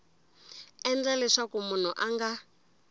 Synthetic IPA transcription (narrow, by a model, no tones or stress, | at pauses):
ɛnd͡zalɛʂakumun̤uʔaŋɡa